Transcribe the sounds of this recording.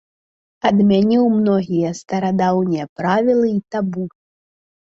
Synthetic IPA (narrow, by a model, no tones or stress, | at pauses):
ɐd̪mʲanʲiwmnɔɣʲijɛɐst̪ɐɾad̪awnʲijɐpɾavʲilˠɨit̪abu